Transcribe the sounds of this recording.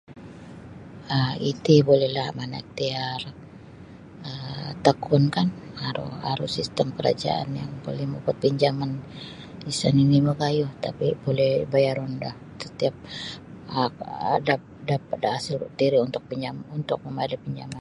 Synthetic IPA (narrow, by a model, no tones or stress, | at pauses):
əit̪ibolɛhlahmanaḭk̚t̪iar | ət̪əkʰʊnkanhaɾṵa̰ɾusist̪əmkəɾa̰d͡ʒa̰ʔa̰njaŋpolɛhmukʊt̪̚piɲd͡ʒaman | isaniniməɡajʊht̪a̰pibolɛhbajaɾundah | sət̪iap̚ | dap̚dapadaasɪlt̪iɾiunt̪ʊk̚piɲd͡ʒamunt̪ʊk̚məmadapiɲd͡ʒaman